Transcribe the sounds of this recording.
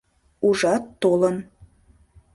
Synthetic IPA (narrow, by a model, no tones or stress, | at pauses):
uʒɑt̪ːolˠɤ̆n